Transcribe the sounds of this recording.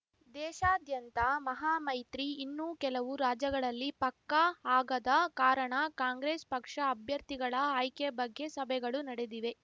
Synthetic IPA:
d̪ɛːʃaːd̪jɐnt̪ɐmɐɦaːmɐjt̪ɾiːnːuːkɛlɐʋuɾaːd͡ʒɐɡɐɭɐlːipɐkːɐaːɡɐd̪ɐkaːɾɐɳɐkaːŋɡɾeːspɐkʂɐːbʱjɐɾt̪iɡɐɭɐaːjkebɐɡːe̞sɐbʱɛɡɐɭunɐɽed̪iʋe̞

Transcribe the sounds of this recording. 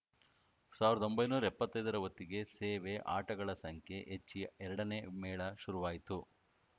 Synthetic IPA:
saːʋiɾɐd̪o̞mbɐjnuːɾɐipːɐt̪ːɐjd̪ɐɾɐʋɐt̪ːiɡe̞seːʋe̞ʔa̰ːʈɐɡɐɭɐsɐŋkʰe̞ʔet͡ʃːiɛɾɐɽɐneːmɛːɭɐʃuɾuʋaːjit̪u

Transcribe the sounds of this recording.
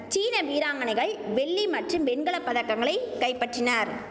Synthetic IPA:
t͡ʃiːnɐʋiːɾaːŋɡɐɳɪɣɐɭʋɛɭːimɐʈrɯmʋɛnɡɐɭɐpːɐðɐkːɐŋɡɐɭɐɪkɐɪpːɐʈrɪnaːɾ

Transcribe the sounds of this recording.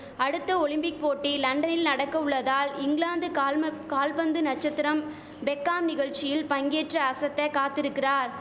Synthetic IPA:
ɐɽɯt̪ːɐɔɭɪmpɪk̚poːʈːilɐɳɖɐnɪlnɐɽɐkːɐʊɭːɐðaːlɪŋɡɭaːnd̪ɯkaːlpɐnd̪ɯnɐt͡ʃːɐt̪ːɪɾɐm | bɛkːaːmnɪɣɐɭt͡ʃɪjɪlpɐŋɡeːʈrɐɐsɐt̪ːɐkaːt̪ːɪɾɯkːɪraːɾ

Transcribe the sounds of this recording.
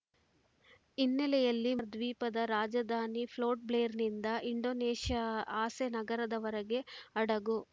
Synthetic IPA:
inːɛlɛjɐlːiɐɾd̪ʋiːpɐd̪ɐɾaːd͡ʒɐd̪ʱaːnipʰloːʈ̚bleːɾnind̪ɐʔiɳɖoːneːʂjɐaːsenɐɡɐɾɐd̪ɐʋɐɾɐɡe̞ɐɽɐɡu

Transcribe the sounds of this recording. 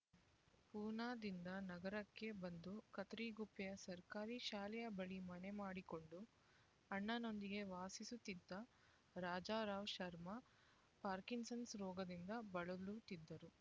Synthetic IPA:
puːnaːd̪ind̪ɐnɐɡɐɾɐkːe̞bɐnd̪ukɐt̪ɾiːɡupːɛjɐsɐɾkaːɾiʃaːlɛjɐbɐɭimɐne̞maːɽiko̞ɳɖu | ɐɳːɐno̞nd̪iɡe̞ʋaːsisut̪ːid̪ːɐ | ɾaːd͡ʒaːɾaːʋʃɐɾmɐ | paːɾkinsɐnsɾɔːɡɐd̪ind̪ɐbɐɭulut̪id̪ːɐɾu

